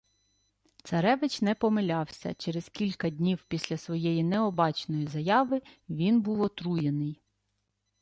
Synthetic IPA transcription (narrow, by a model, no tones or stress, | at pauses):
t̪sɐɾɛʋɪt͡ʃnɛpɔmɪlʲɑwsʲɐ̰t͡ʃɛɾɛz̥kʲilʲkɐd̪ʲnʲiwpʲisʲlʲɐsʋɔjɛjinɛɔbɑt͡ʃnɔjizɐjɑʋɪʋʲinbuwɔt̪ɾujenɪj